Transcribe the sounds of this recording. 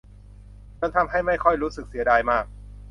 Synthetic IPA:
t͡ɕoː˧˥˩nt̪ʰa˧mɦa˥˩jma˥˩jkʰɔ˥˩jɾuː˦˥sɯ˨˩k̚si˩˦daː˧jmaː˥˩k̚

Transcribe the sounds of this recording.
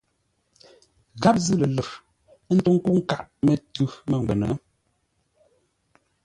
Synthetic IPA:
ɣa˦p̚zɨ˦lə˨lə˨f | n̩˦to˦ŋ˦ku˦ŋ̩˦ka˦˨ʔtmə˨tʉ˦mə˦˨ŋ˨ɡ͡bɛ˨nə̰˨˦

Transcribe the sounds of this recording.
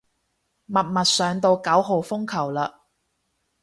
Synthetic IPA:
mɐ˨t̚mɐ˨t̚sœː˨ŋt̪o˧wkɐ˨˥wɦo˨wfʊ˥ŋkʰɐ˨˩wlɐː˧

